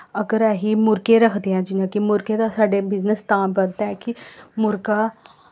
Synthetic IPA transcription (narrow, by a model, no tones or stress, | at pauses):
əɡəɾɛːɦiːmʊɾkeɾəkʰd̪eɦɛ̃ːd͡ʒɪnãːkimʊɾkeːd̪asaːɖeːbɪznəst̪ãːbənd̪aɛːkɪmʊɾkaː